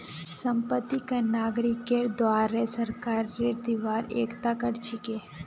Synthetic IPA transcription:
səmpət̪ːikɐnaːɡɾɪkːed̪waːɾesəɾkaːɾɾed̪iʋaːɾḛːkt̪akəʈt͡ʃʰɪke

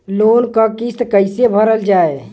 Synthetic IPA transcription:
loːnkəkist̪kəɪsebʱəɾəld͡ʒaːe

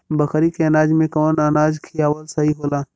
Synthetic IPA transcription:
bəkʰɾikeɐnaːd͡ʒmẽkoːnanaːd͡ʒkʰijaʋəlsɐɦiɦoːlaː

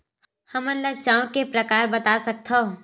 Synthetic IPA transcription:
həmənlət͡ʃaːʊ̃kepɾəkaːɾbət̪asɐk̚t̪ʰo

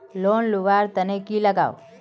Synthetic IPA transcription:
lonluʋaɾt̪ənekiləɡa̰ːw

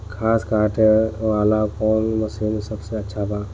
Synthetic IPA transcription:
kʰaːskaːʈɦɛʋaːlakɔːnmɐsiːmsɐbseɐtːʃʰabaː

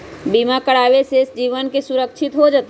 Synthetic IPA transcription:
bimakəɽabesesd͡ʒiʋənkesuɾəkt͡ʃʰit̪ɦod͡ʒət̪e

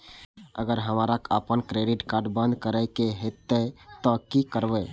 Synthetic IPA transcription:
ə̰ɡəɾɦəmaɾakə̰pənkɾeɖiʈkaɾɖbə̃nd̪ʱkəɾəɪkeɦet̪ət̪ɔkikəɾbə

